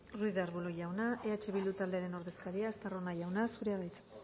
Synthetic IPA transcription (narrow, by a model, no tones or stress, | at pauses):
ruiðeaɾβuloʝawnaʔeat͡ʃe̞βilut̪ald̪e̞aɾe̞no̞ɾðe̞skaɾiaːst̪aro̞naʝawnasuɾeaβajt̪